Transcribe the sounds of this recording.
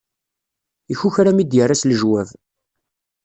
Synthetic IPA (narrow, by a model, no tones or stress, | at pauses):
içuçɾæmid̪jərːasləʒwæv